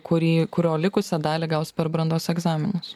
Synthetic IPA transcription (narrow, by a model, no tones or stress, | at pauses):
kʊɾʲiːkʊɾʲoːlʲɪkʊsʲɛd̪ɑːlʲɛɡɐʊsʲpʲɛɾbɾɐnd̪oːsɛɡzɑːmʲɪnʊs